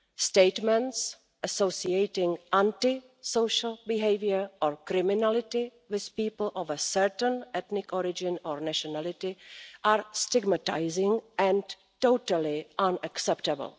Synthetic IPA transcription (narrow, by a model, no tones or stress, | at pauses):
stejtmɛ̃nts | ʔəsowsiejtɪ̃ŋʔãntɪ | sowʃəl̩bɪɦejvjəɹʔɔɹkɾɪmɪnalɪtɪ | wɪθpiːpl̩ʔɔvəsɛɹtənɛt̪nɪkɔɾɪd͡ʒɪ̃nɔɹnaʃɔnalɪtɪʔaːɹstɪɡmata̰jzɪ̃ŋʔɛ̃n | towtəlɪʔãnaksɛptəbə̰l̩ˠ